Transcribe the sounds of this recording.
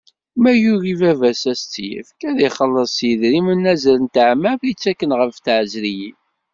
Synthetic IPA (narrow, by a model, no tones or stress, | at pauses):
mæjuɾivævæsæst͡sːjə̰fkæðiχəlːəsˤjəðɾimənːæzælənt̪əʕmævit͡sːækːənʁəfθʕzɾijim